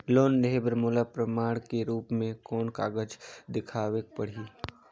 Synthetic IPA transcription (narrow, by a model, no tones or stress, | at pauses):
loːndeebɾmʊlapɾəmaːɽ̃keɾuːpmẽkɔːnka̰ːɡəd͡ʒd̪ɪkʰaːʋeːk̚pɐɽ̤iː